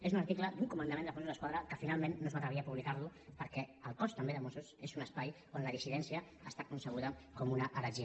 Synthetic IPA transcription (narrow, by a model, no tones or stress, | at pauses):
ezunɐɾt̪ikləd̪uŋkumənd̪əmẽnd̪əfõnsuzðəskwaðɾəkəfinalˠmẽnːozmat̪ɾəβiaəpuβlikaɾlupəɾkɛəlˠkɔst̪əmbeðəmosusezunəspaj | onləðisiðɛnsiəːst̪akunsəɣ̞uðəkɔmunəʔəɾəʒiə